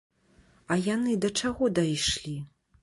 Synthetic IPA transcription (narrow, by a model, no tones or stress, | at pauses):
ɐjanɨd̪ɐt͡ʂaɣɔd̪ajʂlʲi